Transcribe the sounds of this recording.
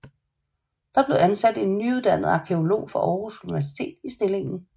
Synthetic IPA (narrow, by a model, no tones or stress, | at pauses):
d̥ɑ̈b̥le̝ænsæd̥e̝nːyuð̞ˠd̥æn̰əð̩ˠɑ̈kʰe̝o̝lo̝̰ːfɒ̽ʔɒʊʁusunniʋæɐs̬i̥t͡sʰe̝̰ːd̥isd̥e̝le̝ŋn̩